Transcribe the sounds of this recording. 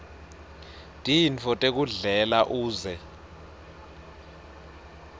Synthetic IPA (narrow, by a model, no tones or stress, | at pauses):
tʼinfʰɔtʼek̬uɮɛlaʔuːzɛ